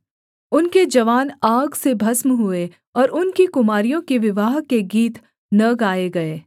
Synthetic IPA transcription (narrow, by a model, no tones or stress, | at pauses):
ʊnked͡ʒɐʋaːnaːɡsebʱɐsmɦʊe | ɔːɾʊnkikʊmaːɾijõkeʋɪʋaːɦkeɡiːt̪ | nɐɡaːeɡɐeː